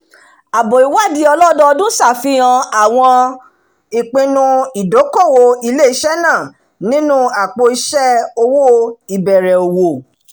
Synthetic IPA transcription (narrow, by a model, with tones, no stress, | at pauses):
a˨bo˨i˨wa˦˨di˧˦ɔ˧lɔ˦dɔ˦˧dũ˦sa˦˨fĩ˧˦ã˧a˦˨w̃ɔ̃˧ | i˨k͡pĩ˧nũ˧i˨do˨˦ko˦˨wo˧i˧le˦i˧˦ʃɛ˦nãː˦˨ | nĩ˦nũ˦a˨k͡po˧i˧ʃɛ˦o˧wo˦i˨bɛ˨ɾɛ˨o˨wo˨